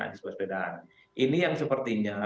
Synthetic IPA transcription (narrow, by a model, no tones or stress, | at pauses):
a̰dɪsbuasbedaa̰n | ʔinijaŋsəpərt̪iɲa